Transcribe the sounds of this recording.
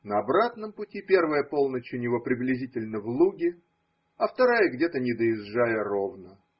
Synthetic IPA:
nəɐbɾat̪nəmpʊtʲipʲe̞rvəjəpo̞lˠnət͡ɕʊnʲɪvo̞pɾʲɪblʲɪzʲitʲɪlʲnəvlˠuɡʲɪ | ɐft̪ɐɾajəɡdʲe̞t̪ənʲɪd̪əjɪzʐajəro̞vnə

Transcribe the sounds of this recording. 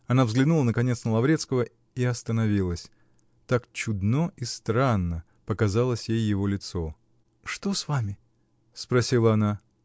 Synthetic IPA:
ɐnavzɡlʲɪnulˠənəkɐnʲet̪snəlˠɐvɾʲe̞t̪skəvə | iɐst̪ənɐvʲilˠəsʲ | t̪akt͡ɕʊd̪noʔist̪ɾanːə | pəkɐzalˠəsʲjejːɪvo̞lʲɪt̪so̞ | ʂt̪osvamʲɪ | spɾɐsʲilˠəɐna

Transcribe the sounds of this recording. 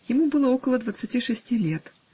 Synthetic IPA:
jɪmubɨlˠəokəlˠəd̪vət̪sɨtʲiʂɨsʲtʲilʲet̪

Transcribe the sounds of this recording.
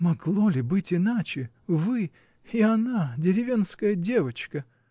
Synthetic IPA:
mɐɡlˠolʲɪbɨtʲɪnat͡ɕɪ | vɨ | ianadʲɪɾʲɪvʲe̞nskəjədʲe̞vət͡ɕkə

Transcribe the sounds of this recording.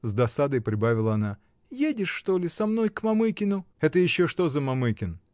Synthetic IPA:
zd̪ɐsad̪əjpɾʲɪbavʲɪlˠəɐna | jedʲɪʂːt̪o̞lʲɪsɐmno̞jkmɐmɨkʲɪnʊɛt̪əjɪɕːo̞ʂt̪o̞zəmɐmɨkʲɪn

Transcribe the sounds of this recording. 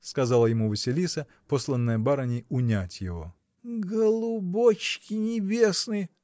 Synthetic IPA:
skɐzalˠəjɪmuvəsʲɪlʲisə | poslˠənːəjəbaɾənʲɪjʊnʲatʲjɪvo̞̰ | ɡəlˠʊbot͡ɕkʲɪnʲɪbʲesnɨj

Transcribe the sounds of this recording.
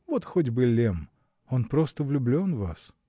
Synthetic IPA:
vot̪xodʲbɨlʲem | onpɾost̪əvlʲʊblʲo̞nvas

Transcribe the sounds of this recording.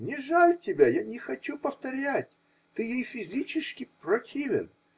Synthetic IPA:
nʲɪʐalʲtʲɪbʲajanʲɪxɐt͡ɕupəft̪ɐɾʲætʲ | t̪ɨjejfʲɪzʲit͡ɕɪskʲɪprɐtʲʰivʲɪ̰n

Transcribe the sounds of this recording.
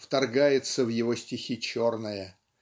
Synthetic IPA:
ft̪ɐrɡajɪt̪səvjɪvo̞sʲtʲɪxʲit͡ɕo̞rnəjə

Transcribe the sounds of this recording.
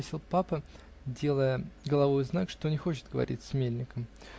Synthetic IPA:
sʲilˠpapə | dʲe̞lˠəjəɡəlˠɐvojznakʂt̪o̞nʲɪxo̞t͡ɕɪ̥t̪̚ɡəvɐ̰ɾʲḭt̚ʲsʲmʲelʲnʲɪkəm

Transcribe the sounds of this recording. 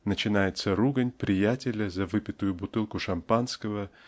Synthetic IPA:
nət͡ɕɪnajɪt̪səɾuɡənʲpɾʲɪjætʲɪlʲəzɐvɨpʲɪt̪ʊjʊbʊt̪ɨlˠkʊʂɐmpanskəvə

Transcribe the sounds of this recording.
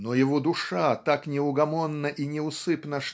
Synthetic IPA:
nojɪvod̪ʊʂat̪aknʲɪʊɡɐmonːəʔinʲɪʊsɨpnəʂ

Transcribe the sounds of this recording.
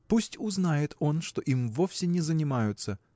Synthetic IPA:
pusʲtʲʊznajɪt̪o̞nʂt̪o̞ʔimvo̞fsʲɪnʲɪzənʲɪmajʊt̪sə

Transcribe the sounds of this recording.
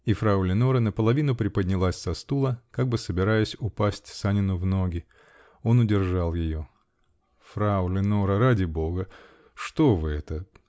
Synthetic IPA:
ifɾaʊlʲɪno̞ɾənəpəlˠɐvʲinʊpɾʲɪpədʲnʲɪlˠasʲsɐst̪ulˠəkaɡ̚bɨsəbʲɪɾajəsʲʊpasʲtʲsanʲɪnʊvno̞ɡʲɪ | o̞nʊdʲɪrʐalˠjɪjo̞ | fɾaʊlʲɪnoɾəɾadʲɪbo̞ɡə | ʂt̪o̞vɨɛt̪ə

